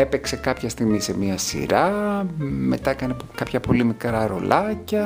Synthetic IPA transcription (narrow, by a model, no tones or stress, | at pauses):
epekse̞kɐpçɐst̪iɣmise̞miɐsḭɾɐ | me̞t̪ɐekɐnekɐpçɐpo̞limikɾɐɾo̞̰lʔɐcɐ